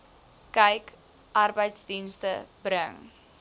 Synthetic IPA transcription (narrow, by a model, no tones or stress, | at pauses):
kəjk | ʔɐrbəjtsdinstəbɾəŋ